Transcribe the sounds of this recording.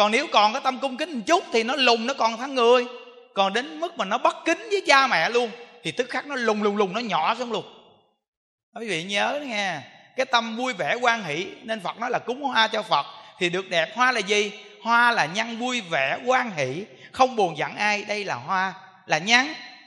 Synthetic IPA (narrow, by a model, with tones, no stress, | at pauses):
kɔ˨˩nne˨˦wkɔ˨˩nkaː˨˦jt̪ə˧mkʊ˧ŋ͡mkï˦ŋ˨˩t͡ɕʊ˦˥k͡p̚t̪ʰi˨˩nɔ˨˦lʊ˨˩ŋ͡mnɔ˨˦kɔ˨˩nt̪ʰa˨˦ŋːɨ˧˨˩əj | kɔ˨˩nɗe˨˦nmɨ˦˥k̚maː˨˩nɔ˨˦ɓə˦˥t̚kï˨˦ŋ̟vəː˨˦jt͡ɕaː˧mɛ̰˧˨lu˧ənt̪ʰi˨˩t̪ɨ˦˥k̚xaː˦˥k̚nɔ˨˦lʊ˨˩ŋ͡mlʊ˨˩ŋ͡mlʊ˨˩ŋ͡mnɔ˨˦ɲɔ̰˧˨sa˧wŋ͡mlʊ˨˩ŋ͡m̚ | wi˨˦vḭ˧˨ɲəː˨˦˨ɲaː˧kaː˨˦jt̪ə˧mvu˧əjvɛ̰˧˩kwaː˧ŋhḭ˧˩˨ne˧nfə˨˩t̚nɔ˨˦jlaː˨˩kʊ˨˦ŋ͡mhwaː˧t͡ɕɔ˧fə˨˩t̚t̪ʰi˨˩ɗɨ˨˩ək̚ɗɛ˨˩p̚hwaː˧laː˨˩zi˨˩ | hwaː˧laː˨˩ɲa˧ŋvu˧əjvɛ̰˧˩kwaː˧ŋhḭ˧˨xə˧wŋ͡mɓo˨˩ənza̰˧˨ŋʔaː˧jɗə˧jlaː˨˩hwaː˧ | laː˨˩ɲa˧ŋ